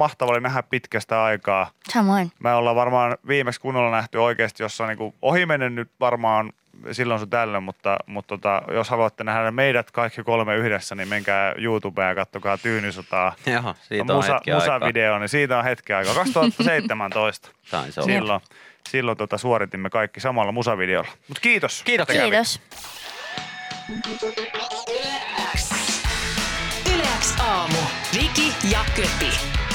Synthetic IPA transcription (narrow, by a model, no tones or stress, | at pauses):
mɑht̪ɑʋɑolinæɦæppit̪kæst̪æɑikɑːɑmoinmeolːɑʋʋɑrmɑːnʋiːmekskunːolːɑnæht̪yoikeːst̪josːɑniːŋkuohimenennyt̪ʋɑrmɑːn | silːõnsot̪ælːemmut̪ːɑ̰mut̪t̪ot̪ɑ̰joshɑluɑt̪ːenæhædæmeiɾæt̪kɑikːikolmeyhdesːænimmeŋkæːjuːt̪ubeːjɑkɑt̪ːokɑːt̪yːnisot̪ɑːosiːmusɑ̰muɑʋideonisiːt̪æõhet̪kiɑikɑːkɑkst̪uhɑt̪ːɑseit̪ːemænt̪oist̪ɑ̥sɑ̰ssilːo | silːont̪uot̪ɑsuoɾit̪imːekɑikːisɑmɑlːɑmusɑʋideo̰lːɑ̥mut̪kiːt̪oskiːt̪ːos | s | ylæksɑːmuʋikijɑkøpi